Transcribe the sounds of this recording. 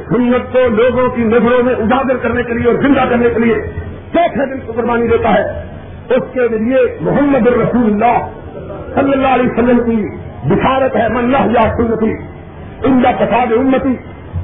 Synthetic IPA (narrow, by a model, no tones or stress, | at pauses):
sʊnːət̪̚koloːɡõkinɐɡɽõmẽʔʊd̪aːɡ̪ɪɾkɐɾnekelieɔːɾzɪ̃nd̪akɐɾnekelie | t͡ʃɛːt̪ʰɛd̪ɪlkoɡʊɾbaːnid̪eːt̪aɦɛː | ʊskeliemʊɦəmːəd̪ɪnɾɐsuːlʊlːaː | sɐlːəlːaːɦliːsəlːəmki | bɪʃaːɾət̪ɦɛːmɐnːaɦjaːsʊnːət̪i | ɪ̃nd̪akɐsaːd̪eʊmːət̪iː